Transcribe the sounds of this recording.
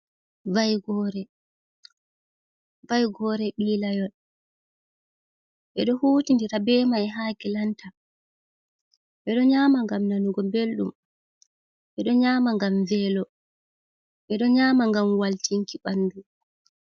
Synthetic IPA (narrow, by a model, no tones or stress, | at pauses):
vajɡɔːɾɛ | vajɡɔɾɛɓilajɔl | ɓɛɗɔhuːtindiɾabɛːmajɛɦaɡɛlanta | ɓɛɗɔɲaːmaŋɡamnanuɡɔbelɗṵm | ɓɛɗɔɲaːmaŋɡamvɛlɔ | ɓɛɗɔɲaːmaŋɡamwaltiŋkiɓanːdu